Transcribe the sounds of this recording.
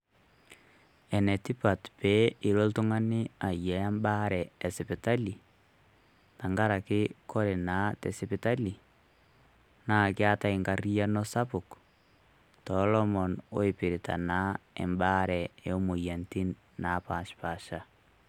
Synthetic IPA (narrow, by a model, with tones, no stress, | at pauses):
ɛ˨nɛ˨ti˦pa˨tpe˦ɪ˨ɾo˦ltʊ˦ŋa˦nɪ˦a˨jɛ˨a˦mba˦ɾɛ˨ɛ˨sɪpɪta˦li˨ | ta˨ŋɡa˦ɾakɪ˦kɔ˦ɾe˨na˦tɛ˨sɪpɪta˦li˨ | na˦˨kɪ˦a˦ta˦i˨ŋɡa˨ri˦ja˦nɔ˦sa˦pʊ˨k | tɔlɔ˦mɔ˨no̰˦i˨pɪ˨ɾɪ˨tʰa̰˨na˦ɛ̰˨mba˦ɾɛ˨e˨o˦mu˨ja˨nti˦nː | a˨˦pa˨ʃpa˨ʃa˦